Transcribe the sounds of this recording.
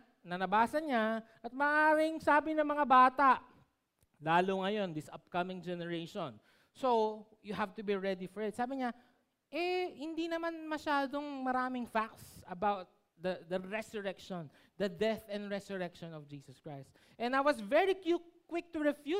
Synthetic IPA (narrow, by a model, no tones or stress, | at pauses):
nɐnɐbaːsɐɲaʔɐt̪̚mɐːʔaːɾɪŋsaːbɪnɐŋmɐŋabaːt̪aʔ | laːlʊŋɐjo̞nd̪ɪsʔɐp̚kɐmɪ̃ŋd͡ʒɛnɛɹejʃɔ̃n | so | jʊhavt̪ʊbiɹɛd̪ifɔɹɪt̪̚saːbɪɲa | ʔɛhɪnd̪inɐmanmɐʃaːd̪oŋmɐɾaːmɪŋfak̚t̪sɐbawt̪̚ | d̪ɐd̪ɐɹɛsʊɹɛkʃɔ̃n | d̪ɐd̪ɛθɛ̃nd̪ɹɛsʊɹɛkʃɔ̃nɔfd͡ʒiːsɐskɹajst̪ | ʔɛnajwɐsvɛɹikjukːwɪk̚t̪ʊɹɛfju